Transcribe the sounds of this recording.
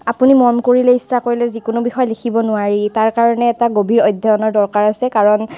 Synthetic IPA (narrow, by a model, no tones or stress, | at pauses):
apunimɔnkoɹilɛisːakoɹilɛzikʊnʊbixɔjlikʰibɔnʊaɹitaɹkaɹɔnɛːtaɡobʱiɹɔjdʱːajɔnɔɹdɔɹkaɹasɛkaɹɔn